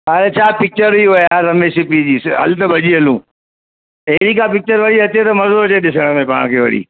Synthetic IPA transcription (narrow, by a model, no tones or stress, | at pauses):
aɾet͡ɕʰaːpɪk̚t͡ɕəɾiɦojaːɾɐmesɪpid͡ʑiːsɦɐ̰lt̪əbʱɐʄiɐlũː | eːɾiːkapɪk̚t͡ɕəɾʋɐɽiɐt̪et̪ɐmɐzod͡ʑeɗɪsəɽ̃əmẽpa̰ːɽ̃kʰeːʋɐ̰ɽ̤ḭː